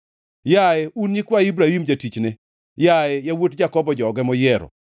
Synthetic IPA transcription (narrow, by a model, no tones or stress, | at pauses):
jaeunjɪkwaibɾahimd͡ʒatit͡ʃnɛ | jaɛjawotd͡ʒakɔbɔd͡ʒɔɡɛmɔjɛɾɔ̰